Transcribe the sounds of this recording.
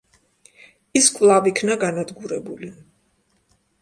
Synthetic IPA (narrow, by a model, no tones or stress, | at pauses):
iskʼvlˠavikʰnaɡanad̪ɡuɾɛbuli